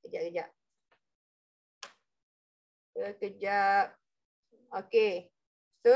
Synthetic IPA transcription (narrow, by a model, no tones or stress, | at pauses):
kəd͡ʒaʔ̚kəd͡ʒaʔ̚ | kəkəd͡ʒap̚ | oke | so